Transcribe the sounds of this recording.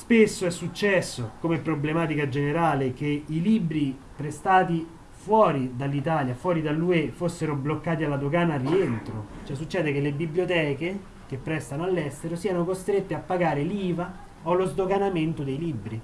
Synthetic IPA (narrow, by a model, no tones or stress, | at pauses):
spesːoɛsːut͡ʃːɛsːokomepːɾoblemaːt̪ikad͡ʒeneɾaːlek̟eiliːbɾi | pɾest̪aːt̪i | fwɔːɾid̪alːit̪aːljafwɔːɾid̪alːuefosːeɾoblokːaːt̪ialːad̪oɡaːnarːient̪ɾot͡ʃoɛs̬ːut͡ʃːɛːd̪ekelːebibljot̪ɛːke | k̟epːɾɛst̪anoalːɛst̪eɾosiːanokost̪ɾet̪ːeapːaɡaːɾeliːva | olozd̪oɡanament̪od̪ejlibːɾi